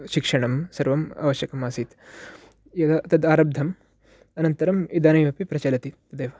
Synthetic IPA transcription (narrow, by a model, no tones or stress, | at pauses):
ʃikʂɐɳɐmsɐɾʋɐma̰ːʋɐʃjɐkɐmaːsit̪ | jɐd̪ɐt̪ɐd̪aːɾɐb̚d̪ʱɐm | ɐnɐnt̪ɐɾɐmid̪ɐːnɐjmɐpipɾɐt͡ʃɐlɐt̪it̪ɐd̪eːʋɐ